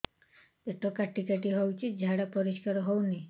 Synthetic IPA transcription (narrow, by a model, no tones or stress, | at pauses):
eʈɔkaʈikeʈiɦɔwt͡ʃʰid͡ʒʱaɽapɔɾiskaɾɔɦowni